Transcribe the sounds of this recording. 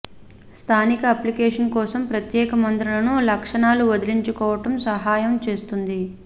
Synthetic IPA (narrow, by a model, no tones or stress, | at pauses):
st̪ʰaːnikɐɐplikeːʂɐnkɔːsɐmpɾɐt̪jɛːkɐmɐnt̪ɾulɐnulɐkʂɐɳaːluʋɐd̪iliɲt͡ʃukɔːʋɐʈɐmsɐɦaːjɐmt͡ʃe̞ːst̪und̪i